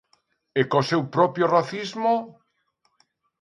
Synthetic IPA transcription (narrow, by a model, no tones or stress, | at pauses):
ekosewpɾɔpjoraθizmo